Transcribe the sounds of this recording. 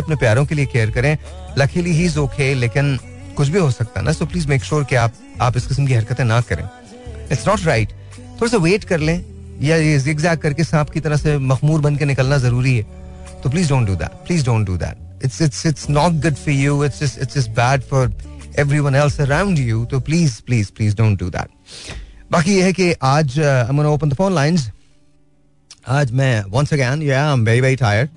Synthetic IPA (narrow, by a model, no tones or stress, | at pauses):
ɐpnepjaːɾõkeliekeːɾkɐɾẽlɐkʰiliɦiːɪzoːkʰeːleːkɪn | kʊt͡ʃʰbʱiɦosɐk̚t̪a̰nʔasoːpliːzmeːkʃuːɾkeaːp̚ | aːpɪskɪsmkiɦɐɾkət̪ẽnakɐɾḛ̃ː | ɪʈsnɔːʈɾaɪʈ | t̪ʰoːɾas̬aʋeːʈkɐɾlẽː | jajezɪɡzaːkːɐɾkesãːpkit̪ɐɾəsemɐxmuːɾbɐnkenɪkəlnazɐɾuːɾiɦɛ | t̪oːp̬liːzdõːnʈ̚ɖud̪æ̰ʈ̚pliːzdõːnʈɖṵd̪æ̰ːʈ̚ | ɪtsɪtsɪʈsnɔːʈ̚ɡʊɖfɔɾjuːɪtsd͡ʒɐsɪtsd͡ʒɐs̚bæːɖfɔɾɛʋɾiwɐ̃nɛlsəɾãʊ̃nɳɖjut̪oːpliːzpliːz̥pliːzdõʊ̃nʈ̚ɖṵd̪æ̰ʈ̚ | baːkijeɦɛkeʔaːd͡ʒãɪmɡɔnaoːpə̃nd̪əfõːnlãɪ̃nz | aːd͡ʒmɛ̃wʌ̃nsəɡɛ̃njæãɪ̃mbeɾibaiʈʰaːɪəɾɖ̚